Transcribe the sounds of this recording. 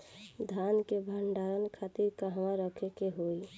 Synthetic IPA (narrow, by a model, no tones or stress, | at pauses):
d̪ʱankebʱəɳɖaɾənkʰat̪iɾkaɦʋãɾəkʰekeɦoj